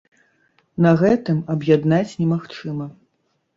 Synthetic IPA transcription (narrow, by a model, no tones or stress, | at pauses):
nɐɣɛt̪ɨmɐbjad̪nat͡sʲnʲɛmaxt͡ʂɨmɐ